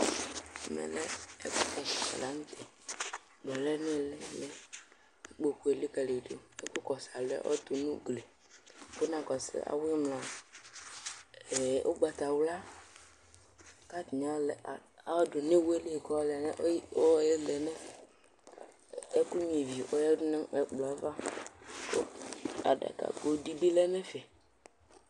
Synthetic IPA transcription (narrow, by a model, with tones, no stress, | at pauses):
mɛ̰˨lɛ̰˦ɛ̰˦ku˦kɛ˨i˨a̰˨la˨˦ŋũ˦t̪ɛ˨ | dɔ˨lɛ˦nɪ̃˦˨lɛ˦lɛ˦˨ | k͡po˨ke˨li˦kɛ˨le˨do˨ḛ˦ku˦kɔ˨sa˨lɛ̰˦ʔɔ̰˦t̪u˨nũ˦ɡle˨ | ko˦nã˨kɔ˨sɪ̰˨a̰˨wi˦mla˨ | ɛ˨ʔo˦ɡ͡ba˨t̪a˨wla˦ | ka˦t̪i˨ɲa˨˦lɛ˨a˨˦wdo˨nĩ˦wu˦e˦le˦˨kɔ˦lɛ˨nɛ˦ʔo˦jɛ˦lɛ˨nɛ̃˦ | e˦ku˦ɲĩ˨vi˨ʔo˦ɛ˦dʊ˦nɛ̃˦˨ɛ˦k͡plɔ˨˦va˦ko̰˦a̰˨ɖa̰˨ka̰˨ɡo˨˦di˦bi˦lɛ˦nɛ̃˦fɛ˨